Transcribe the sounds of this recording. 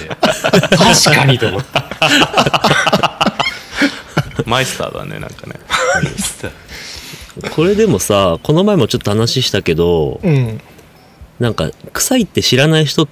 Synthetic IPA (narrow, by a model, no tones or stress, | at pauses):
t̪aɕi̥kaɲit̪omot̪ː | maist̪a̰ːd̪a̰nḛnã̰ŋkanest̪ | kʰo̞ɾe̞d̪e̞mo̞sako̞no̞mae̞mo̞t͡ɕo̞t̪ːo̞hanaɕiɕi̥t̪ake̞d̪o̞ | nãŋka̰kɯ̟̥sait̪ːe̞ɕiɾanaiçi̥t̪o̞